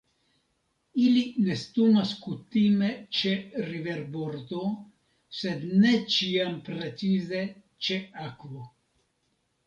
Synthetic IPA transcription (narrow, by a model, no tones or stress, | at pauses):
iline̞st̪umaskut̪ime̞t͡ʃe̞ɾive̞ɾboɾd̪o | se̞d̪ne̞t͡ʃiampɾe̞t͡size̞ | t͡ʃe̞akvo